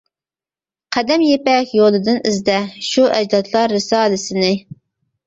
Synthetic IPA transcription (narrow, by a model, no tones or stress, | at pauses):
qʰæd̪ɛmjepɛkʲjolˠɨd̪ɨnɪzd̪ɛʃuʔɛd͡ʒd̪ɑt̪lˠɑɾːɨsɑːlɨsɪnɪ